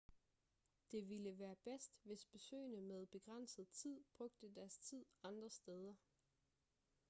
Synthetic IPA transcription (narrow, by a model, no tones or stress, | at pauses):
d̥e̝ʋiləʋæːɐb̥esd̥ʋe̝sb̥e̝sø̰ːɪnəmeð̞ˠb̥e̝ɡ̥ʁan̰səð̩ˠt͡sʰið̞̰ˠb̥ʁɔ̽ɡ̥̚d̥əd̥æɐst͡sʰið̞̰ˠɑ̈nd̥ʁɐsd̥eð̞ˠɐ